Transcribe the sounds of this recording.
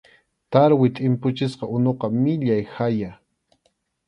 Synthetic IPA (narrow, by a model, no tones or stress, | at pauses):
t̪aɾwɪt̪ʼɪmpʊt͡ʃɪsqɑʊnoqɑmɪʎajhxaja